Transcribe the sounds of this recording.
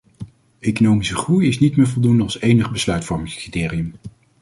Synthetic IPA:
ejkonowmisəχrujɪsnitmɪːɹvɔlˠdundəɑlˠsejnəχbəslœɥtfɔɹmɪŋskritɪːriəm

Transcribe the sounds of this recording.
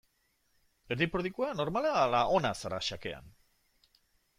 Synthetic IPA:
eɾðipɾoðikuano̞ɾmalalaʔo̞nasaɾaʃake̞̰a̰n

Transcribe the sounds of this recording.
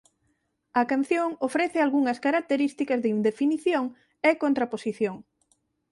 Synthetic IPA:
ɐkan̟θjoŋofɾɛθɪalɣuŋɐskaɾak̚t̪eɾist̪ikɐzðeind̪efiniθjoŋ | ekont̪ɾaposiθjoŋ

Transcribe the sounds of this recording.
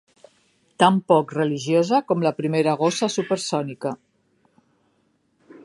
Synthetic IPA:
t̪ampɔkrəliʒjozəkɔmləpɾimeɾaɣ̞osəsupəɾsɔnikə

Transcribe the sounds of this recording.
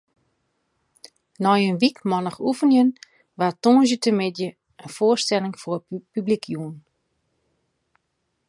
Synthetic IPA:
nɔjənʋikmɔnəxufənjən | ʋatoːnzjətəmɪdjə | ənfoərstɛlɪŋforpyblikjuən

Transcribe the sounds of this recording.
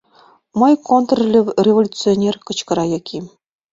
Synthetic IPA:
mɤjkʰont̪rlʲeʋʲrʲevolʲut͡sɨonʲerkɤ̆t͡ɕkɤ̆ɾɑjɑkʲʰi

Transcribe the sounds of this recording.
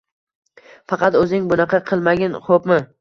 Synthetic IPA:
fɑqʰɑt̪ɵzɪŋbʊnɑqʰɑqʰɨlˠmaɡʲɪnχopmɪ

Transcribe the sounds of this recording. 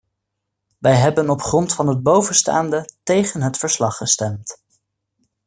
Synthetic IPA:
ʋɛjɦɛbənɔpχrɔntfɑnɦəd̚bowvənsta̰ːndətejχənɦətfəɹslɑχːəstɛmt

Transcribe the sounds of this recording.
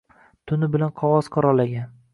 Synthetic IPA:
t̪ʰʊnɪbɪlanqʰɒʁɒz̥qʰɒɾɒlːaɡʲan

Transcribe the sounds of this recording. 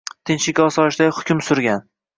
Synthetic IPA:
t̪ʰɪnʃɪkʲɒsɒʃd̪ahʊkʲʰʊmsʊɾɡʲan

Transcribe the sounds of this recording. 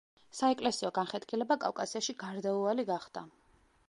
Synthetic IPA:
saɛkʼlɛsiɔɡanχɛt̪kʰʼilɛbakʼa̰fkʼasiaʃiɡaɾd̪auvaliɡaχd̪a̰

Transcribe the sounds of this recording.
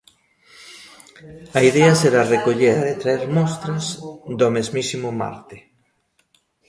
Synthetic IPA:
aiðeɐseɾarekoʎeðet̪ɾaeɾmɔst̪ɾɐsðomezmisimʊma̰ɾt̪ɪ

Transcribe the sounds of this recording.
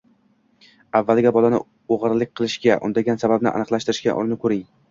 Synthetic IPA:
avːalɡʲabɒlanɪ̰ | oʁɨɾlɪk̚ʲqʰɨlˠɪʃkʲaʔʊ̰nd̪aɡʲansababnɪ̰ʔa̰nɨqlˠaʃt̪ɪɾɪʃkʲa̰ʔɒ̰ɾnɪkʰɵɾɪŋ

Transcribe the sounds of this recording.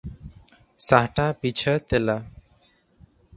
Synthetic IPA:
saɦʈapit͡ʃʰət̪ɛla

